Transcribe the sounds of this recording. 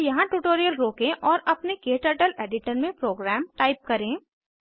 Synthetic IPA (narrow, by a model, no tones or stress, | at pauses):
jɐɦãʈuːʈoːɾijəlɾoːkẽʔɔːɾɐpnekeːʈəʈəleːɖɪʈəɾmẽpɾoːɡɾɛːmʈaːɪp̚kɐɾẽː